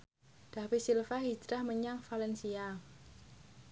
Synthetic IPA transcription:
d̪̥awisilfaɦid͡ʒɾahməɲaŋfalɛnsia

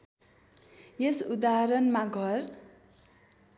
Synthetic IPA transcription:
jesud̪aɦʌɾʌnmaɡʱʌr

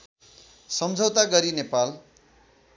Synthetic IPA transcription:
sʌmd͡zʱʌwt̪aɡʌɾinepal

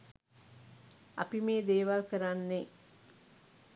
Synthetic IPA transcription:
a̰pimeːd̪eːʋalkəɾanːe

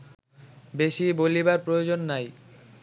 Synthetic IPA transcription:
beʃibolibaɾpɾojod͡ʑonːaj

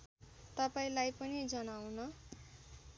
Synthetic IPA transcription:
t̪ʌpaĩlajpʌnid͡zʌnawnʌ

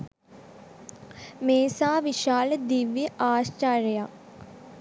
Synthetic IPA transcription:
meːsaːʋiʃaːləd̪iʋjəʔaːʃt͡ʃaːɾəjaː

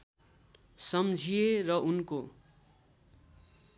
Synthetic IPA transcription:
sʌmd͡zʱijerʌʔunko

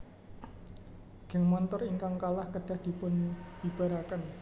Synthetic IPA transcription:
ɡ̥əŋmɔnt̪ɔriŋkaŋkalahkəd̥a̤hd̥i̤pʊnd̥ib̥aɾakan

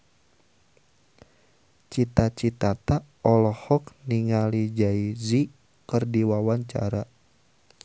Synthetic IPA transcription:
t͡ʃit̪at͡ʃit̪at̪a | ɔlɔhɔkniŋalid͡ʒaizi | kɨrdiwawaɲt͡ʃa̰ɾa

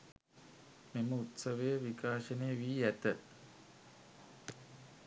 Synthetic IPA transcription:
meməut̪səʋejəʋikaːʃənejəʋiːæt̪ə

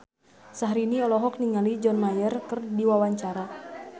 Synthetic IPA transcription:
saɦɾiniɔlɔɦɔk̚niŋalid͡ʒɔnmajərkɨrdiwawaɲt͡ʃaɾa

